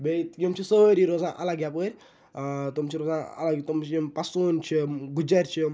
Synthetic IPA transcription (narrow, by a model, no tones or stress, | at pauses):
bet̪kimt͡ʃʰisəɾiɾozaʔa̰laɡjapəɾʲ | t̪umt͡ʃʰiɾozaa̰laɡt̪umt͡ʃʰipɐsunt͡ʃʰiɡud͡ʒaɾʲt͡ʃʰi